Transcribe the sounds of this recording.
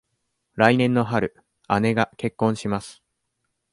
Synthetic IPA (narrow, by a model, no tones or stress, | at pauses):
ɾainẽ̞nːo̞ɦaɾɯ̟ | ane̞ɡake̞kːõ̞ɰ̃ɕimasɨ̥